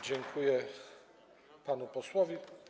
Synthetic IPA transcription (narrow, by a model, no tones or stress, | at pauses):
d͡ʑɛŋkʰujɛ | panupɔswɔvʲi